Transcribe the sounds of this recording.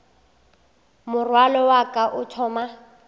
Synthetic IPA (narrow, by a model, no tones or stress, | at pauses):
mʊrwalɔwakʼaʔʊtʰɔːma